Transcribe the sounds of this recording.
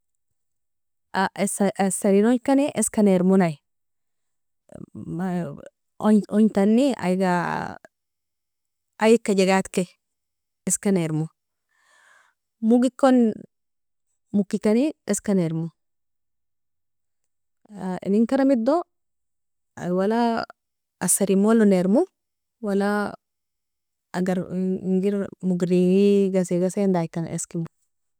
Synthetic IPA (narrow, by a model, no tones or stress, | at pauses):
assaɾinoɲkaniʔeskaneɾmunaj | oɲt̪anːia̰jɡa | ajikːaɟeɡat̪ke | eskaneɾmu | muɡikːon | mukːikanieskaneɾmu | aḛniŋkaɾamid̪o | a̰wala | asaɾimoloneɾmu | wala | ɡaɾŋɡiɾmuɡɾiŋiɡas̬iɡasendajkːanḛskimu